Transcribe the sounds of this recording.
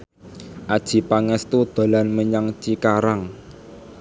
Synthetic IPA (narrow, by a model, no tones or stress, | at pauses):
ʔad̥ʒ̥i̤paŋɛst̪ud̪̥a̤lanməɲaŋt͡ʃikaɾaŋ